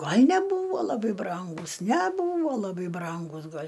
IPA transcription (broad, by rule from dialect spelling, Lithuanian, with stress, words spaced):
ˈɡɐlʲ nʲɛˈbuːʋoː lˠɐˈbɐɪ ˈbrɐŋɡuːs nʲɛˈbuːʋɐ lˠɐˈbɐɪ ˈbrɐŋɡuːs ˈɡɐlʲ